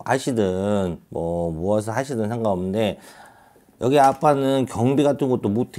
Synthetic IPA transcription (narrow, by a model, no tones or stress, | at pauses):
haɕʰidɯnmʌmoas̬ʰʌhaɕʰidɯnsʰeŋɡaʌmɯnde̞ | jʌɡiapʰanɯnkjʌŋbiɡatʰɯnɡʌt̚t͈omotʰe